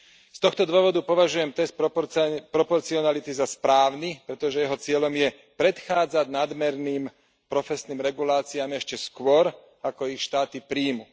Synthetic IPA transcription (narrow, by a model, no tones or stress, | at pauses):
st̪ɔxt̪ɔd̪ʋɔʋɔd̪upɔʋaʒujɛmt̪ɛst̪̚ | pɾɔpɔɾt͡siɔnalit̪izaspɾaːʊnipɾɛt̪ɔʒɛjɛɦɔt͡sɪɛʎɔmjɛ | pɾɛt̪xaːd͡zaɟnad̪mɛɾniːm | pɾɔfɛsniːmɾɛɡulaːt͡siamɛʃcɛskʊɔɾ | akɔixʃt̪aːt̪ipɾiːmu